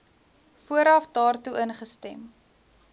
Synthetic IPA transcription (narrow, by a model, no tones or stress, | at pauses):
fuəɾɐfdɑːrtuʔənχəstɛm